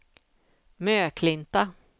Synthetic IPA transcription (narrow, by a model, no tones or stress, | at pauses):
møːkʰlɪnt̪a